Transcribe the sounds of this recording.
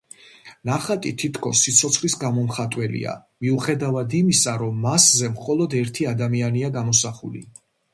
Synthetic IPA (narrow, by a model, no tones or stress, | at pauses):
naχat̪ʼit̪ʰit̪ʰkʰɔsːit̪sʰɔt̪sʰχlisɡamɔmχat̪ʼwɛlḭa̰ | miuχɛd̪avad̪imisaɾɔmːaszɛmχɔlˠɔd̪ɛɾt̪ʰiad̪amianiaɡamɔsaχṵlḭ